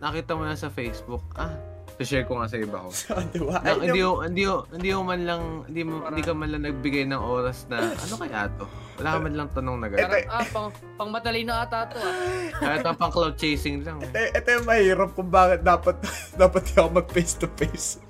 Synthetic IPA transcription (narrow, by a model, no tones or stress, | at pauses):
nɐkiːt̪ɐmonɐsɐfejsbʊk̚ʔa | sɪʃɛɹkoŋasɐʔɪbɐ̰kosʔɐd̪ɐwaʔɐhɪniːhohɪnd̪ihohɪnd̪iːmʊmɐnlɐŋhɪ̰nd̪imɪniːkɐmɐnlɐŋnɐɡ̚bɪɡajnɐŋʔo̞ːɾɐsnɐʔɐ̰no̞kɐja̰ːt̪o̞wɐ̰laːkɐmɐnlɐŋt̪ɐnoŋnɐɡɐɾapɐŋ | pɐŋmɐt̪ɐlijnoŋat̪aːt̪okaɐt̪ːɐpɐŋklawd̪̚t͡ʃejsɪŋlɐŋɛt̪ojʔɛt̪ojʊŋmɐhiːɾɐp̚kʊŋbaːkɪt̪̚d̪aːpɐt̪̚d̪aːpɐt̪̚ɐkomɐɡ̚pejst̪ʊpejs